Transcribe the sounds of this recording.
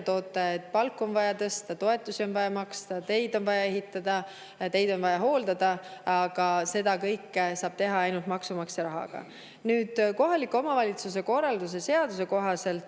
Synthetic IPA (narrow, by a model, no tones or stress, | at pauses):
t̪o̞ːt̪ːˑɑet̪̚ːˑpɑlkːˑo̞nvɑjɑt̪ɤst̪ɑt̪o̞e̞t̪ˑːusio̞nvɑjɑmɑkst̪ɑt̪e̞jd̪o̞nvɑjɑe̞ɦit̪ːˑɑd̪̥ɑ | t̪e̞jd̪̥o̞nvɑjɑɦo̞ːld̪̥ɑd̪̥ɑɑɡ̥ɑse̞d̪̥ɑkɤjkːˑsɑːb̥̚t̪e̞ɦɑɑjnult̪mɑksumɑksjɑɾɑɦɑ̰ɡ̥ɑ̰ | nyːd̪̥ko̞ɦɑlikːuomɑvɑlʲit̪sus̬e̞ko̞rːɑld̪us̬e̞se̞ɑd̪̥us̬e̞ko̞ɦɑse̞lt̪